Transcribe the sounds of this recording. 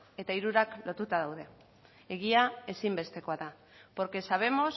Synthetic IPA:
e̞t̪aiɾuɾaklo̞t̪ut̪aðawðe̞ | eɣ̞iae̞simbe̞st̪e̞ko̞aða | po̞ɾke̞saβ̞e̞mo̞s

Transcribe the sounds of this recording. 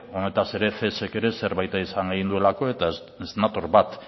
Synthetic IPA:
o̞ne̞t̪ase̞ɾe̞θe̞se̞ke̞ɾe̞se̞ɾβajt̪aisaŋɡeɣind̪ue̞lako̞e̞t̪a | esenat̪o̞ɾβat̪

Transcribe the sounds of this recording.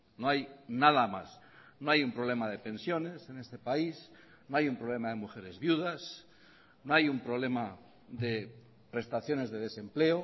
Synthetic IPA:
noajnaðamas | noajumpɾoβle̞maðe̞pẽ̞nsjo̞ne̞se̞ne̞st̪epais | noajumpɾoβ̞le̞maðe̞muxe̞ɾe̞zβjuð̞as | noajumpɾoβle̞ma | ðe | pɾe̞st̪aθjo̞ne̞zðe̞ðe̞sẽ̞mpleo

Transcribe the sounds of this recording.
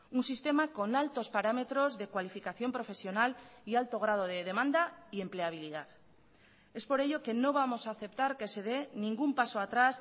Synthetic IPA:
unsist̪e̞mako̞nalt̪o̞spaɾame̞t̪ɾo̞zðe̞kwalifikaθjo̞mpɾo̞fe̞sjo̞nalialt̪o̞ɣ̞ɾað̞o̞ð̞e̞ðe̞mãnd̪aie̞mple̞aβ̞iliðað | e̞spo̞ɾe̞ʎo̞ke̞no̞β̞amo̞saːθe̞pt̪aɾke̞se̞ðe̞nĩŋɡumpaso̞at̪ɾas

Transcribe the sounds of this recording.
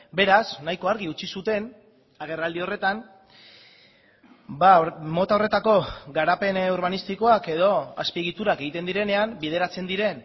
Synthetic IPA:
be̞ɾasnajko̞aɾɣiut͡ʃisut̪e̞n | aɣ̞e̞rald̪io̞re̞t̪an | bamo̞t̪aore̞t̪ako̞ɡaɾape̞noɾβanist̪iko̞ake̞ð̞o̞aspieɣit̪uɾake̞ɣit̪e̞nd̪iɾe̞ne̞ambið̞e̞ɾat͡se̞nd̪iɾe̞n

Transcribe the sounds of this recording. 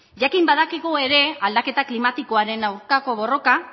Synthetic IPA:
ʝakimbaðakiɣue̞ɾe̞ald̪ake̞t̪aklimat̪iko̞aɾe̞nawɾkako̞β̞o̞ro̞ka

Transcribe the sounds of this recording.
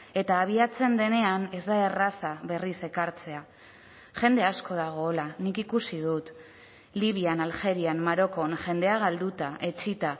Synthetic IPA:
e̞t̪aːβ̞iat͡se̞nd̪e̞ne̞ane̞zd̪ae̞rasaβe̞rise̞kaɾt͡se̞a | xe̞nd̪e̞asko̞ð̞aɣ̞o̞lanikikusiðut̪ | liβianalxe̞ɾiammaɾo̞ko̞nʝe̞nd̪e̞aɣald̪ut̪aʔe̞t͡ʃit̪a

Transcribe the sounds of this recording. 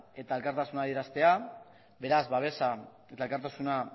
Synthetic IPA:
e̞t̪ae̞lkaɾt̪asunaðie̞ɾast̪e̞a | be̞ɾazβaβ̞e̞sa | e̞t̪aelkaɾt̪asuna

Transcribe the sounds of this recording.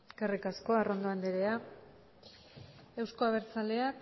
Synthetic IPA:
kerikasko̞aro̞nd̪oand̪eɾea | e̞wsko̞aβ̞e̞ɾt͡sale̞ak

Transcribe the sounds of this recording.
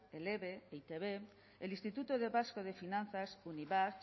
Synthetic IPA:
eleβeeit̪eβe | elĩnst̪it̪ut̪oð̞e̞βaskoð̞e̞finan̟θasuniβa

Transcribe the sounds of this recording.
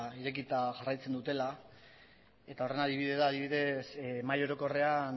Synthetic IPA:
iɾe̞k̬it̪aʝarajt͡se̞nd̪ut̪e̞la | e̞t̪ao̞re̞naðiβiðe̞ðaːðiβiðe̞smajo̞ɾo̞ko̞re̞an

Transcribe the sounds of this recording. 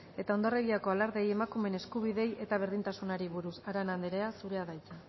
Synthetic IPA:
e̞t̪ao̞nd̪oreɣiako̞alaɾðe̞je̞makume̞ne̞skuβ̞iðe̞je̞t̪aβ̞e̞ɾðint̪asunaɾiβuɾusaɾanand̪eɾe̞asuɾe̞aðajt͡sa

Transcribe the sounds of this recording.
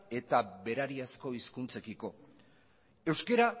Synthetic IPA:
e̞t̪abe̞ɾaɾiasko̞iskunt͡se̞kiko̞ | e̞wskeɾa

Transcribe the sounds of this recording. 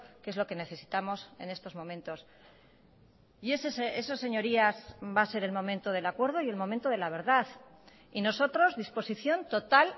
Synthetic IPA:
kee̞zloke̞neθe̞si̥t̪amo̞se̞̰ne̞st̪o̞zmõ̞mẽnt̪o̞s | iesesesose̞ɲo̞ɾiazbase̞ɾe̞lmõ̞mẽnt̪o̞ðe̞lakwe̞ɾð̞o̞ie̞lmo̞mẽnt̪o̞ðe̞laβ̞e̞ɾðaθ | ino̞so̞t̪ɾo̞zðispo̞siθjo̞nt̪o̞t̪al

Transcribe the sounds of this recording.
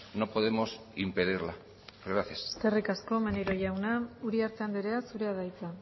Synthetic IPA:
no̞po̞ðe̞mo̞simpeðiɾla | ɡɾaθjast̪erikasko̞meneɾo̞ʝawnauɾiaɾt̪e̞and̪eɾe̞asuɾe̞að̞ajt͡sa

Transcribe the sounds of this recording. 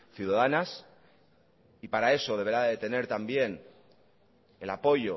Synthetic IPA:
θjuðaðanas | ipaɾae̞so̞ð̞e̞β̞e̞ɾaðet̪e̞ne̞ɾt̪ambje̞n | e̞lapo̞ʝo̞

